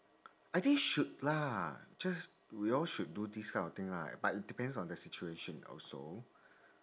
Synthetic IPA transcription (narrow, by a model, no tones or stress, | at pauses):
ajt̪ĩŋʃut̚lad͡ʒas | wiɔlʃut̚dudiskʰãɔ̃t̪ĩŋla̰batit̚d̥ipɛ̃ndsɔ̃ndəsit͡ʃueʃə̃nɔ̰so̰